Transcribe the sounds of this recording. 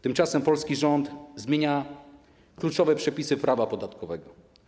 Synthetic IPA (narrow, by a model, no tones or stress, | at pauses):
t̪ɘmt͡ʂasɛmpɔlskʲiʐɔnt̪zmʲjeɲa | klut͡ʂɔvɛpʂɛpʲisɘpɾʔavapɔd̪at̪kɔvɛɡɔ